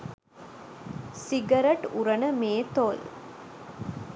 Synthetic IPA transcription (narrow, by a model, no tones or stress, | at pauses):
siɡɐɾɐʈuɾɐnəmeːt̪oːl